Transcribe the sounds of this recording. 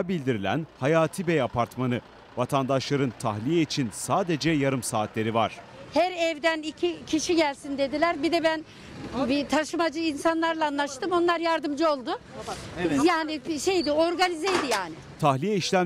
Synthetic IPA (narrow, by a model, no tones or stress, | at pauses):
bilʲd̪iɾilʲæ̰nhajaːt̪ʰibɛjapʰaɾt̪manɯ | vat̪ʰand̪aʃlˠaɾɯnt̪ʰahlʲijɛit͡ʃʰinsaːd̪e̞d͡ʒɛjaɾɯmsaːt̪lʲe̞ɾivaɾ̝̥ | hæɾɛvd̪ænicʰicʰiʃiɟælʲsind̪e̞d̪ilʲæɾbid̪ɛbæn | bit̪ʰaʃɯmad͡ʒɯinsanlˠaɾlˠaanlˠaʃt̪ɯmo̞nlˠaɾjaɾd̪ɯmd͡ʒɯo̞lˠd̪ʊ | jaːnɪʃe̞jd̪ɪo̞ɾɡanizejd̪ijaːnɪ | t̪ʰahlʲijɛiʃlʲæ